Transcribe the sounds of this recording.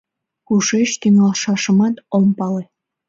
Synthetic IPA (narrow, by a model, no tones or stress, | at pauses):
kuʃeʃt̪yŋɑlʃɑʃɤ̆mɑt̪ompɑle